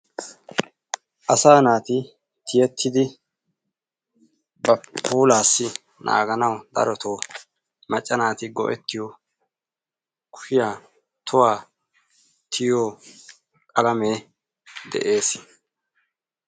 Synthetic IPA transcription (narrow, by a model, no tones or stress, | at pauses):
ʔɐsaːnaːt̪ɪ | t̪ʰɪjɛt̪ʰːɪd̪ɪ | bɐpʰuːlaːsːɪ | nʔa̰ːɡɐnɐwd̪ɐ̰ɾɔt̪ʰoː | mɐt͡ʃʼːɐnaːt̪ɪɡɔ̰ʔɛt̪ːɪjo | kʊ̥ʃɪjaː | t̪ʰʊwaː | t̪ʰɪjoː | kʼɐlɐmeː | d̪ɛ̰ʔe̞ːs